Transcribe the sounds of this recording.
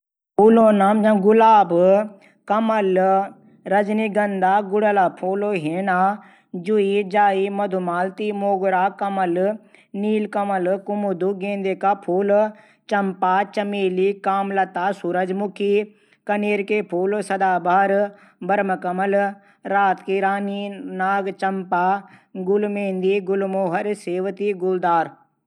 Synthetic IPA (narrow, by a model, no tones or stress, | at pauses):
pʰuːloːnaːmd͡ʒɐ̃ɡʊlaːb | kɐmɐl | ɾɐd͡ʒniɡɐnd̪aːɡʊɽəlaːpʰoːloːɦeːnaː | d͡ʒuid͡ʒaːimɐd̪ʱumaːlt̪imoːɡɾaːkɐmɐlniːlkɐmɐlkʊmud̪uɡẽːnd̪eːkapʰuːl | t͡ʃɐmpaːt͡ʃɐmeːlikaːmlɐt̪asuɾəd͡ʒmʊkʰiː | kɐneːɾkeːpʰuːlsɐd̪aːbʱaːɾ | bɐɾməkɐməl | ɾaːt̪kiɾaːninaːɡt͡ʃɐmpaːɡʊlmẽːnd̪iɡʊlmoːɦəɾseːʋt̪iɡʊld̪aːɾ